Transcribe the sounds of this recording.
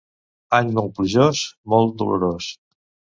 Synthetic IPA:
aɲmɔlpɾiʒosmɔlˠt̪̚d̪ulṵɾos

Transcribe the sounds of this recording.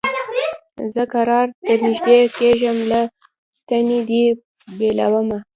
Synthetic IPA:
zəkaɾɑɾt̪əɾnɪʒd̪ekeʒəmla | t̪aned̪i | bela̰wəma

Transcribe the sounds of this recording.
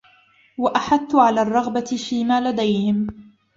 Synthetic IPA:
waʔaħad̪ːʊʕalaːrˤːɑɣbaɪfiːmaːlad̪ajhɪm

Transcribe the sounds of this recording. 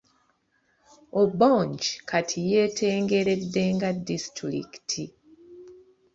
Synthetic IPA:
oboɲt͡ʃkʰatʰije̞ːtʰe̞ːŋɡe̞ɾe̞dːe̞ŋɡadːistɾḭktʰi

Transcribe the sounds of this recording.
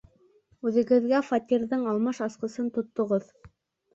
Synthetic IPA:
ʉðɘ̆ɡɘ̆ðɡæfat̪ʲiɾðɤɴɑlˠmɑʃɑsqɤ̆sɤnt̪ŏt̪ːŏʁɤð

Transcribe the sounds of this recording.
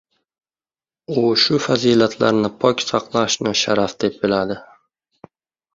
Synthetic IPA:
ʊʃʊfazilat̪ʰla̰ɾnɪpʰɒkʲsɑqlˠaʃnɪʃaɾafd̪̥ep̚bɪlad̪ɪ

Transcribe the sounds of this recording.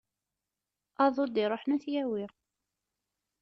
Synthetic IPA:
ɑðˤod̪iɾˤoħnuθjæwi

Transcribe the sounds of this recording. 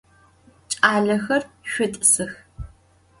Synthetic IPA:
t͡ʃʼaːɮɐxɐrʃʷᶣʊtʼsɨx

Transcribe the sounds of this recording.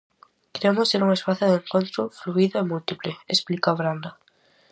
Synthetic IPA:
keɾemʊsteɾuŋespaθjʊðeŋkont̪ɾʊfluiðʊemult̪ipleesplikaβɾand̪a

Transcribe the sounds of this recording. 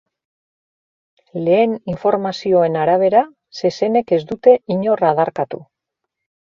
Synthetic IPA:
le̞ːniɱfo̞ɾmasio̞e̞naɾaβ̞e̞ɾa | se̞se̞ne̞ke̞zd̪ut̪e̞iɲo̞rað̞aɾkat̪u

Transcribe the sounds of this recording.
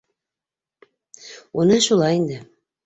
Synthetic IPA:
unɤʃulˠɑjind̪ɘ

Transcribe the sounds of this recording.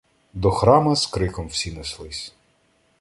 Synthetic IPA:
d̪ɔxɾɑmɐzkɾɪkɔmwsʲineslˠɪsʲ

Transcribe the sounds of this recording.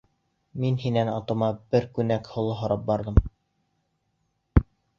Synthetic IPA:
minhinænɑt̪ŏmɑbɘɾkʉnækhŏlˠɤɦŏɾɑp̚bɑɾðɤm

